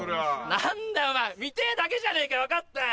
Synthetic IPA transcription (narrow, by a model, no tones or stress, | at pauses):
oɾeanãnd̪ajomamʲit̪ed̪ake̞ʑaneikaβakat̪ːa